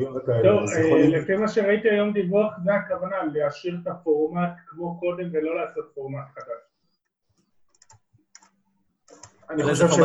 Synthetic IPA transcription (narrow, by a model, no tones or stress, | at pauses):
jokat̪ovelefimaʃeʁait̪iajo̞md̪ivuaχzeakavanaleaʃiʁet̪afo̞ʁmat̪kmo̞ko̞d̪e̞mvelo̞laːso̞t̪fo̞ʁmat̪χadaʃ | aniχoʃevʃe